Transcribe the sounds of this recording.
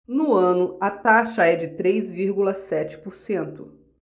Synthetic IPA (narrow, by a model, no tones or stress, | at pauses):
nʊɐ̃nʊɐt̪aʃɐɛd͡ʒɪt̪ɾejzviɾɡulɐsɛt͡ʃɪ̥pʊɾsẽnt̪ʊ